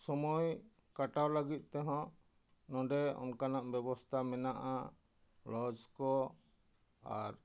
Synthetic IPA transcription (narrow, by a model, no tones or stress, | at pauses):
sɔmɔj | kaʈawləɡit̪̚ˀt̪ɛɦɔ̃ | nɔ̃ɖɛɔ̰nkanaʔbɛbɔst̪ʰamɛnaʔa | lɔd͡ʒkɔ | aɾ